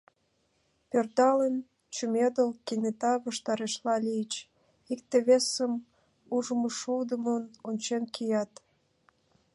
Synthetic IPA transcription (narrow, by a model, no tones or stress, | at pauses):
pørd̪ɑlen | t͡ɕumed̪əlkinet̪ɑβəʃt̪ɑɾeʃlɑlijət͡ɕ | ik̚t̪eβesəm | uʒəməʃud̪əmənonʲt͡ɕenkʰijɑt̪